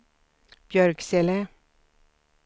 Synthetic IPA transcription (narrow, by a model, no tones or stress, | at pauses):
b̥jœɾɡsɛlə